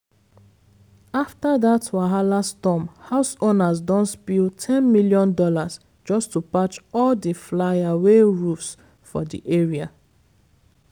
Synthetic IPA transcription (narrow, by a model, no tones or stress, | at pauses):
aftaðatʰwaɦalastɔmhaʊsonazdɔ̃ntspiltʰɛ̃nmiljɔ̃ndɔlas | d͡ʒɔstupat͡ʃɔldiflajaweɹufs | fɔ̰dḭʔɛɹia